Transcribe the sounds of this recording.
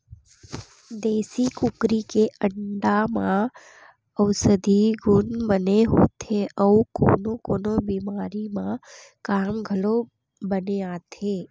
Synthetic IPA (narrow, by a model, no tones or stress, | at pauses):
d̪eːsikʊkɾikeəɳɖamã | əʋsəd̪ʱiɡʊnbəneɦo̰ːt̪ʰeʔəuko̰ːnokoːnobiːmaːɾimã | kaːmɡʱɐlo | bəneaːt̪ʰeː